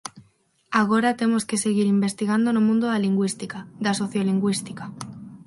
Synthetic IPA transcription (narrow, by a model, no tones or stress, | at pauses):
aɣ̞o̞ɾat̪e̞mo̞ske̞se̞ɣ̞iɾimbe̞st̪iɣ̞and̪onomũnd̪oðaliŋɡwist̪ikad̪aso̞θjoliŋɡwist̪ika